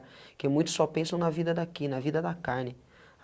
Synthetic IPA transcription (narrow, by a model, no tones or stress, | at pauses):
kɪmũj̃t̪ʊ̥sːɔpẽsɐ̃w̃nɐvid̪ɐd̪akinɐvid̪ɐd̪ɐkaɾnɪ